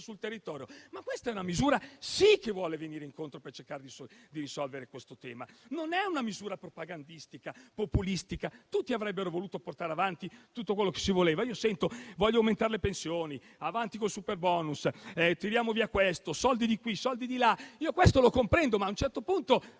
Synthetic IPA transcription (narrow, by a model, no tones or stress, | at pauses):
sult̪erːit̪ɔːɾjomakːwest̪aɛunamizuːɾasikːevːwɔːleveniːɾeiŋkont̪ɾopert͡ʃerkaːɾed̪isd̪iɾisɔlveɾekwest̪ot̪ɛːmanonɛunamizuːɾapɾopaɡand̪ist̪ikapopulist̪ikat̪ut̪ːiavɾɛbːeɾovoluːt̪oport̪aːɾeavant̪it̪ut̪ːokwelːoke̥sivoleːvaiːosɛnt̪ovɔʎjːawment̪aːɾelepensjoːni | avant̪ikolsuperbɔːnusɛt̪iɾjaːmoviakːwest̪osɔld̪id̪ikwisɔld̪id̪ilaiːokwest̪olokompɾɛnd̪omaːunt͡ʃɛrt̪opunt̪o